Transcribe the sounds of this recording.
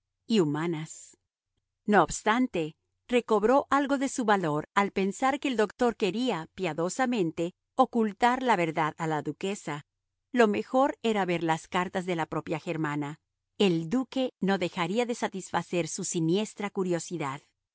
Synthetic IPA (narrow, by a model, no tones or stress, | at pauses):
iumanas | noːbst̪ant̪e̞ | re̞ko̞βɾo̞ʔalɣo̞ðe̞suβalo̞ɾalpe̞nsaɾkeːld̪o̞kt̪o̞ɾke̞ɾiapjaðo̞samẽ̞nt̪e̞ | okult̪aɾlaβe̞ɾðaðalaðuke̞sa | lo̞me̞xo̞ɾe̞ɾaβe̞ɾlaskaɾt̪azðe̞lapɾo̞pjaxe̞ɾmana | eld̪uke̞no̞ðe̞xaɾiaðe̞sat̪isfase̞ɾsusinje̞st̪ɾakuɾjo̞siðað